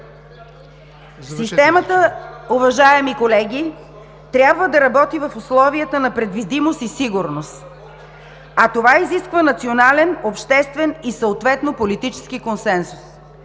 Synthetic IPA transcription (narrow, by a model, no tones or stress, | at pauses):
ssist̪ɛmət̪əʊvɐʒaɛmikolɛɡʲi | t̪ɾʲjabvəd̪ɐɾɐbɔt̪ivɐfʊslˠɔviət̪ənɐpɾɛd̪vid̪imost̪isiɡʊɾnost̪ | ɐt̪ovaiziskvənɐt̪sionalɛnopʃt̪ɛst̪vɛnisəot̪vɛt̪nopolit̪it͡ʃɛ̥skikonsɛnsu̥s